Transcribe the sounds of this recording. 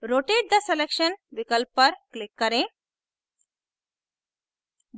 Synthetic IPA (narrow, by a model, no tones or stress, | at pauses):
ɾoʈeɖ̚d̪aselekʃənʋikəlpːəɾklɪkːəɾẽ